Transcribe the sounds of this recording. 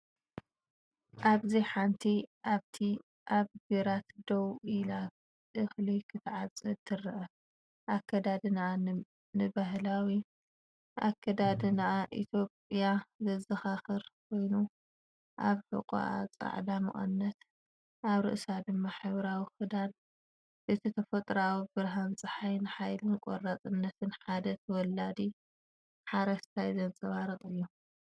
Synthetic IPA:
ʔaβziħant̪ʰiʔaβt̪ʰi | ʔaβɡɐɾat̪d̪owila | ʔɨxlikʰɨt̪ʰʕat͡sʼɨt̪ʰːɨrɨʔɐ | ʔakʰːɐd̪ad̪ɨnaʔa | nɨbaɦlawi | ʔakʰːɐd̪ad̪ɨnaʔaʔḭt̪ʰjo̞pʼijazɐzɐxaxɨɾkʰo̞jnu | ʔaβħɨ̰qʼo̰ʔa̰t͡sʼa̰ʕd̪amɨ̰χʼɐ̰nnːɐt̪ | ʔaβɾɨ̰ʔsad̪ɨmːaħɨβɾawixɨd̪an | bɨt̪ʰit̪ʰɐfɐt̪ʼɾawibɨɾɦant͡sʼɨħajnɨħajlɨnkʷʼo̰rːat͡sʼɨnːɐt̪ʰɨnħad̪ɐt̪ʰɐwɔlad̪i | ħaɾɐʃt̪ʰajzɐnt͡sʼɐβaɾɐt̪ʼɨjːu

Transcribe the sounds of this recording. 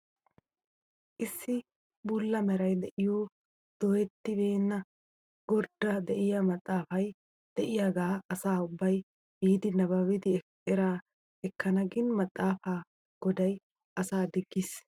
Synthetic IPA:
ʔɪsːɪ | buːlːɐmɛɾɐjd̪ɛʔɪjoː | d̪̥ɔɛt̪ːɪbe̞ːnːɐ | ɡɔɾd̪ːɐd̪ɛʔɪjɐmɐt̪ʼːaːfɐj | d̪̥ɛʔɪjaɡaːɐsaːʊbːɐj | biːd̪ɪnɐbɐwɪd̪ɪ | ɛɾaː | ɛkːɐnɐɡɪnmɐt̪ʼːaːfaː | ɡ̥ɔd̪ɐj | ʔɐsaːd̪ɪɡːɪs

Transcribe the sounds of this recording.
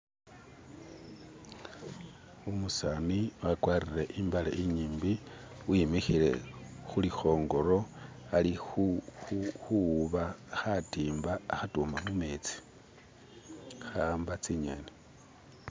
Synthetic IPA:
umusaniwakwaːrireʔimbala̰ʔiɲiːmbi | wimixile̞̰xulixo̞ːŋɡo̞ɾo̞ | alixu | xuβaxatiːmbaːxatumamumet͡si̥ | xaːmbat͡siɲene

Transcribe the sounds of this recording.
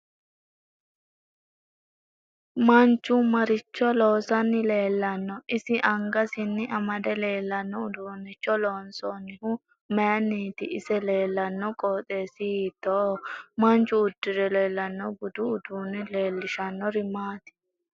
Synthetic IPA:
mɐnt͡ʃːʊmɐɾɪt͡ʃːɔloːsɐnːɪle̞ːlːɐnːɔʔɪsɪʔɐŋɡɐsɪnːɪʔɐmɐd̪ɛle̞ːlːɐnːɔʊd̪uːnːɪt͡ʃːɔloːnsɔnːɪhʊ | mɛɐnːiːt̪ɪʔɪsɛle̞ːlːɐnːɔkʼoːt̪ʼe̞ːsɪhiːt̪ːoːmɐnt͡ʃːʊːd̪̥ːɪɾɛle̞ːlːɐnːɔɡʊd̪ʊʊd̪uːnːɪle̞ːlːɪʃɐnːɔɾɪmaːt̪ɪ̥

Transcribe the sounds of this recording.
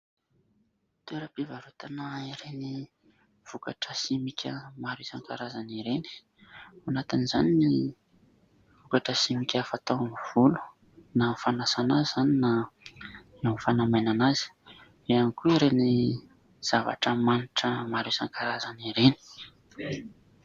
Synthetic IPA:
t̪eɾəpivaɾut̪anaiɾeni | v̥ukaʈ͡ʂəsimikʲəmaɾusaŋkaɾazaniɾeni̥ | anat̪inizanini | v̥ukaʈ͡ʂəsimikʲafat̪amv̥ulu̥ | nafanasanazzanina | namfanamajnanazi̥ | eanikuiɾeni | z̥ava̰ʈ͡ʂəmaniʈ͡ʂəmaɾusaŋkaɾazaniɾeni̥

